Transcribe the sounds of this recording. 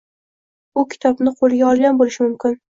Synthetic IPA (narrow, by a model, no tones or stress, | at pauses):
ʊkʲʰɪ̥t̪ʰɒbnɪqʰolˠɪɡʲaɒlˠɡʲanbolɪʃɪmʊmkʲɪn